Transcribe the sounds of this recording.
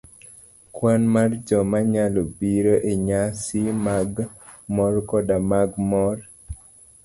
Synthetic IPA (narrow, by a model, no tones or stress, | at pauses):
kwanmard͡ʒɔmaɲalobiɾoʔeɲasimaɡ | mɔrkɔdamaɡmɔr